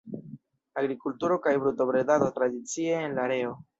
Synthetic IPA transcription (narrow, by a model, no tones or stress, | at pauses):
aɡɾikultuɾo̞kajbɾuto̞bɾedado̞t̪ɾad̪it͡sie̞ːnlaɾe̞o̞